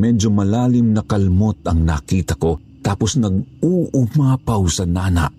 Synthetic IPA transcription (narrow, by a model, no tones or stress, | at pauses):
mɛd͡ʒomɐlaːlɪmnɐkɐlmot̪ɐŋnaːkiːt̪ɐko̞ | t̪aːposnɐɡ̚uːʔʊmaːpɐwsɐnaːnɐ̰ʔ